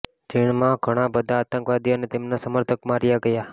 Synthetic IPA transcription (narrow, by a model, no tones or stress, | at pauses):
d͡ʒiɳ̃mãɡʱəɽ̃abəd̪ʱaːt̪ə̃ŋkʋad̪ijonet̪emnasəməɾt̪ʰəkmaɾjaɡəja